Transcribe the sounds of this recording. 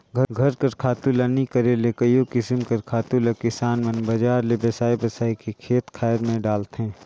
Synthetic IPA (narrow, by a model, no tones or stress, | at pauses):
ɡʱɐɡʱɐɾkɐɾkʰaːt̪ulanikɐɾelekəjokɪsɪmkɐɾkʰaːt̪ulɐkɪsaːnmɐnbɐd͡ʒaːɾlebɐsaːibɐsaːikekʰeːt̪kʰaːjɾmẽɖaːlt̪ɦɛ̃ː